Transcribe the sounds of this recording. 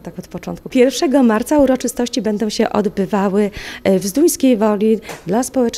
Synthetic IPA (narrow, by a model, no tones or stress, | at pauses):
t̪akɔt̪pɔt͡ʂɔnt̪̚kupʲjɛɾfʂɛɡɔmaɾt̪sauɾɔt͡ʂɘst̪ɔɕt͡ɕibɛnd̪ɔ̃w̃ɕɛʔɔd̪bɘvawɘvzd̪uj̃skʲejvɔlʲid̪laspɔwɛt͡ʂ